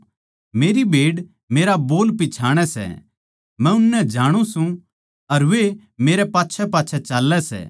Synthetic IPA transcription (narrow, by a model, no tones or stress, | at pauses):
meːɾibʱeːɽ | meːɾaboːlpit͡ʃʰaːɽ̃ɛsɛ̰ | mɛ̃ʊnːɛ̃d͡ʒaːɽ̃ũsũ | ɐɾʋe | meːɾɛpaːtːʃʰɛpaːtːʃʰɛt͡ʃaːlːɛsɛ̰ː